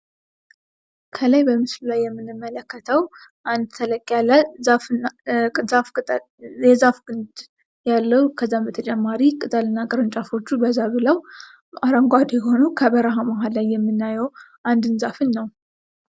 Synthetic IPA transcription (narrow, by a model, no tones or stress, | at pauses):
kʰəlajbəmɨslulajːɛmːɨnɨmːələkːət̪ʰəwʔand̪t̪ʰələkʼːalːazafʼ | zafʼ | jɛzafɡɨnd̪ | jalːəhukʰəzːambət̪ʰət͡ʃʼɛmːaɾikʼɨt̪ʼalɨnːakʼɨɾɨnt͡ʃʼafo̞t͡ʃːubəzaβɨləw | ʔaɾəŋɡʷad̪jho̞nukʰəbəɾaɦamaɦallajːɛmːɨnːajɛwʔand̪ɨnzafɨnːəw